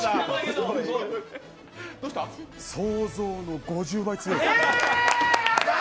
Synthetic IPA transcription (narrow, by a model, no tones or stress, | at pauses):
a | d̪oɕt̪asoːzo̞ːno̞ɡo̞ʑɨːbait͡sɨo